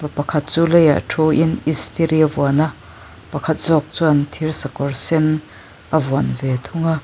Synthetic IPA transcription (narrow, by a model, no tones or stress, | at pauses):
ppɐkʰɐt̪̚t͡suːleja̰ʔʈʰuʔinist̪ʰeɾivuɐnaʔ | pɐkʰɐt̪̚zɔk̚t͡suɐnt̪ʰirsɐkɔrsɛn | ʔɐvuanvɛt̪ʰʊŋa